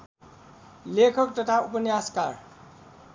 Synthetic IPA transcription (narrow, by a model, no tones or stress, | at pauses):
lekʰʌk̚t̪ʌt̪ʰaupʌnjaska̰r